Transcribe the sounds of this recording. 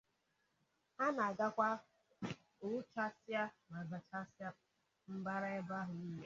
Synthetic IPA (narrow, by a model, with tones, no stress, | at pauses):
a˦na˨a˨ɡa˦kʷa˦ | ʊ˨˦t͡ʃa˦sja˦na˨za˨t͡ʃa˦sa˦ | m̩˦ba˦ɾa˦e˦ba˦ɦʊ˨n̩˦ne˨